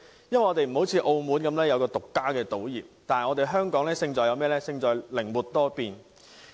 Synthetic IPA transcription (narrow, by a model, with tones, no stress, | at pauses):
jɐ˥nwɐ˨jɔ˧te˨jm̩˨˩ho˨˥wt͡sʰiː˨˧ʔo˧wmuː˨˥nkɐ˨˧˥mlɛː˥jɐ˨˧wkɔː˧t̪ʊ˨kːaː˥kɛː˧t̪o˨˥wjiː˨p̚t̪aː˨nhɐ˨jŋɔː˨˧t̪e˨jɦœː˥ŋkɔː˨˥ŋlɛː˥sɪ˧ŋt͡ʃɔː˨˩jɐ˨˧wmɛː˥lɛː˥sɪ˧ŋt͡ʃɔː˨˩jlɪ˨˩ŋmuː˨˩t̪̚ːɔː˥piː˨˧n